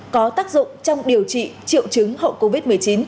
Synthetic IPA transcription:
kɔ˨˦t̪aː˦˥k̚zʊ̰˧˨ŋ͡mt͡ɕɔ˧wŋ͡mɗi˨˩əwt͡ɕḭ˧˨t͡ɕḭ˧˨əwt͡ɕɨ˨˦ŋhə̰˧˨ko˧vi˦˥t̚m˨˩əjt͡ɕi˨˦n

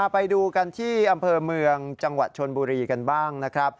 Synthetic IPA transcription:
pa˧jduː˧ka˧nt̪ʰiː˥˩ʔa˧mpʰɤː˧mɯ˧əŋt͡ɕa˧ŋwa˨˩t̪̚t͡ɕʰo˧nbuː˧ɾiː˧ka˧nbaː˥˩ŋna˦˥kʰɾa˦˥p̚

